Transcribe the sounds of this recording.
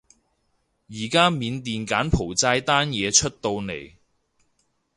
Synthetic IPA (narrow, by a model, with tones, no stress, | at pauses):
jiː˨˩kaː˥miː˨˧nt̪iː˨nkaː˨˥npʰo˨˩wt͡saː˧jt̪aː˥njɛː˨˧t͡ʃʰɵ˥t̚t̪o˧wne˨˩j